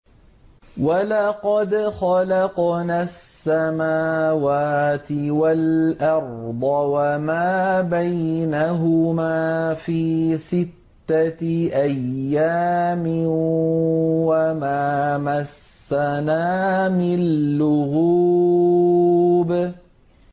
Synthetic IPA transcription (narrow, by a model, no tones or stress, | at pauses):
walɑqɑd̪xɑlɑqnaːsːamaːwaːt̪ɪwalʔɑɾˤd̪ˤɑwamaːbajnaɦʊmaːfiːsɪt̪ːaʔajːaːmɪ | wamaːmasːanaːmɪnːʊɣuː | b